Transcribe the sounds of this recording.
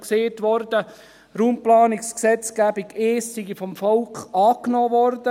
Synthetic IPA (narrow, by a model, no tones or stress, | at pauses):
kseːtʋɔrdə | ɾuːmplɑːniksksɛt͡skæbiɡeːsːiɡifɔmfɔlkχɑːknɔːʋɔrd̥ə